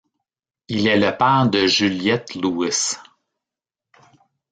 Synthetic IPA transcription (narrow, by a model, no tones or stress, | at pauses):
ilɛləpɛːʁd̪əʒyljɛt̪luɪs